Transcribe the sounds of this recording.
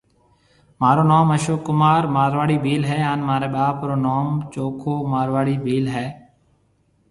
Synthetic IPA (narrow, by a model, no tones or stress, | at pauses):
maːɾoːnoːməʃoːkʊmaːɾmaːɾʋaːɽiːbʱiːlɦɛːaːnmaːɾeːɓaːpɾoːnoːmt͡ʃoːkʰoːmaːɾʋaːɽiːbʱiːlɦɛː